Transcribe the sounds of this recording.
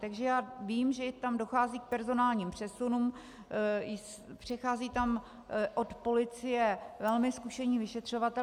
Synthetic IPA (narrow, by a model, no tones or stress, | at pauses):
t̪aɡʒɛjaːviːmʒɛt̪amdo̞xaːziːk̚pɛɾzo̞naːlɲiːmpr̝̥ɛsunuːm | ɪs | pr̝̥ɛxaːziːt̪am | ʔot̪po̞lɪt͡sɪjɛvɛlmɪskuʃɛɲiːvɪʃɛt̪r̝̥o̞vat̪ɛ